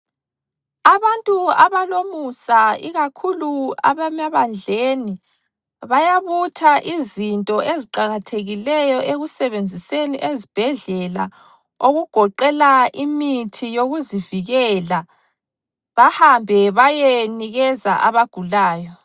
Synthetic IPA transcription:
aβantʼuaβalomusaiɣakʰulua̰βamaβand͡ɮʱeni | βajaβutʰaʔizintʼɔʔeziǃaɣatʰeɣilɛjɔʔeɣusɛβend͡zʱiseniʔezib̥ʱɛɮɛla | oɣuɡ̥ʱɔǃɛlaʔimitʰijoɣuziviɣɛla | βahambʱɛβajeniɣɛzaʔaβaɡ̥ʱulaːjɔ

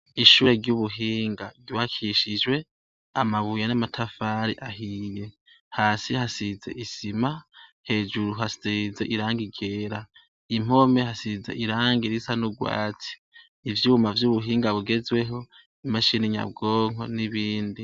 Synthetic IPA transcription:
iʃuːɾe̞ɾɟuβuɦiːŋɡaɡiwakʰiʃid͡ʒwe̞ | amaβujanamatʰafaːɾiʔaɦiːje̞ | haːsihasize̞̰ʔisimahe̞ːd͡ʒuɾuɦasize̞ʔiɾaːŋɡiɡe̞ːɾa | im̥o̞me̞hasizḛʔiɾaːŋɡiɾisanuɡwa̰ːtʰi̥ | ivjiumavjuβuɦiːŋɡaβuɡe̞zwe̞ɦo̞ | imaʃiniɲa̰b̚ɡoːŋ̥o̞niβiːndi

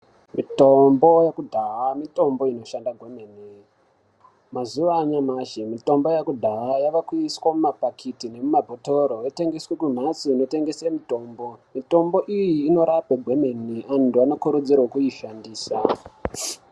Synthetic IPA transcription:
mito̞mbo̞jakudʱaɦamito̞mbo̞ino̞ʃandaɡʱemeni | mazuʋaɲamaʃemito̞mbo̞jakudʱaɦajaʋakuiswamumapakʰitine̞mumabʱoto̞ɾojete̞ŋɡeswekun̤asuːno̞te̞ŋɡesemito̞mbo̞mito̞mbo̞ʔijiːno̞ɾapeɡʱwe̞meniantuanokuɾud͡ziɾokuiʃandiːsa

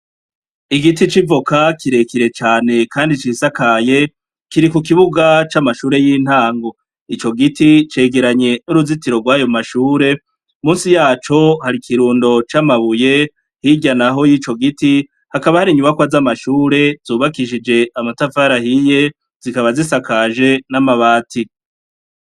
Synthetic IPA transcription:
iɡitit͡ʃivokakiɾe̞kiɾe̞t͡ʃaːne̞kʰaːndit͡ʃisakaje̞ | kiɾikuk̬iβuɡat͡ʃamaʃuːɾe̞jiːn̥haːŋɡo̞ | it͡ʃo̞ɡitit͡ʃe̞ːɡe̞ɾaɲe̞nuɾuzitiɾo̞ɡwaːjo̞maʃuːɾe̞ | muːnsijaːt͡ʃo̞haɾikʰiɾuːndo̞t͡ʃamaβuje̞ | hiɟanaɦo̞jit͡ʃo̞ɡiti | hakaβahaɾiɲuβakwazamaʃuːɾe̞z̥uːβakiʃ̬id͡ʒe̞ʔamatafaɾahije̞ | z̥ikaβazisakaʒe̞namaβaːtʰi

